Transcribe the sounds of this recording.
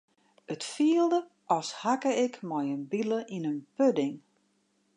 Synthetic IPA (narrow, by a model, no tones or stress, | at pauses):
ətfiəlˠdə | ɔshakəɪkmɔjənbiləʔinənpødɪŋ